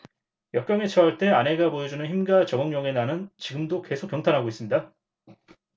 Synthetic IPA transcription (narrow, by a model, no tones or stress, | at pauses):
jʌk͈jʌŋe̞t͡ɕʰʌɦaɭt͈e̞ane̞ɡapojʌd͡ʑunɯnçimɡat͡ɕʌɡʌŋɲʌŋe̞nanɯnt͡ɕiɡɯmdok͈e̞sʰok͈ːjʌŋtʰanɦaɡois͈ɯmɲida